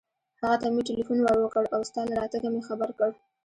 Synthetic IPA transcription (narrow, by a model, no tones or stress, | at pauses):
haɣat̪ameʈelifunwaɽəkəɽawst̪ɑlaɽɑt̪aɡamexabaɾkəɽ